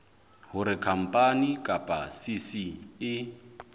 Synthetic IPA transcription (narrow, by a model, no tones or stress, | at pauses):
hʊɾɪkʰam̩pʼanikʼapʼasisiɪ